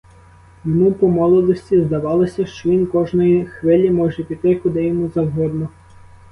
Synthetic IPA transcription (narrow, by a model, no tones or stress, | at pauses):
jɔmupɔmɔlˠɔd̪ɔsʲtʲizd̪ɐʋɑlˠɔsʲɐʃt͡ʃɔʋʲinkɔʒnɔjixʋɪlʲimɔʒɛpʲit̪ɪkʊd̪ɪjɔmuzɐwɦɔd̪nɔ